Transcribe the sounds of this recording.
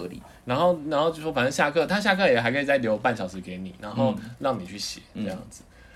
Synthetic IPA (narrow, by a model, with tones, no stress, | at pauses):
lḭ˨˩˦ | na˧˥nxo˥˩ʊna˧˥nxo˥˩ʊt͡ɕo˥˧ʂwɔ˥fə˨nə˥˧ŋɕja˥˧kʰɤ˥˧˨t̪ʰa˥ɕja˥˧kʰɤ˥˩jɛ˨˩xa˧˥ɪkʰə˧˥i˨t͡sa˥˩ɪljo˧˥ʊpa˥˩nɕjɑ˨˩ʂɻ̩˧˥ke˧˦ɪni˨˩na˧˥no˥˧ʊlɑ˥˩ŋni˨˩t͡ɕʰy˥˩ɕjɛ̰˨˦ʈ͡ʂə˥˧jɑ̰˥˩ŋd͡z̩˨˩